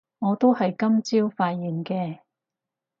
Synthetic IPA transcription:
ŋɔː˨˧t̪o˥whɐ˨jkɐ˥mt͡siː˥wfaː˧t̚jiː˨˩nkɛː˧

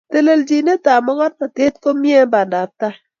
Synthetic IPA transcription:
te˨le˨ld͡ʒi˨ne˦ta˨mɔ˦ɡɔ˦t̚na˨tɪ˦t̚ko˦mje˦ba˨nda˨ta˦

